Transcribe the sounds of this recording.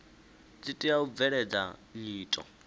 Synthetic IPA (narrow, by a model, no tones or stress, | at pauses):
t͡sitʼiaub̪vɛɺɛd͡za̰ɲiːtʼɔ̰